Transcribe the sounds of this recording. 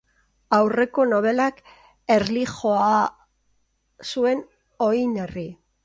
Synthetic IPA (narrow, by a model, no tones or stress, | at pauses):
awre̞ko̞no̞β̞e̞lak | e̞ɾlixo̞a | sue̞n | o̞jne̞ri